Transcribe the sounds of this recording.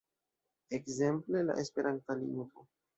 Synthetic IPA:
ekze̞mple̞la̰ʔespe̞ɾʔant̪alḭnto

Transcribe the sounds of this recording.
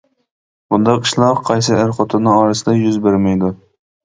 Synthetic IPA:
b̥und̪ɑqʰɨʃlˠɑqqʰɑjsɨæɾχot̪ʰʊnɨɑːɾɨsɨd̪ɛjyzbeɾmɛjd̪u

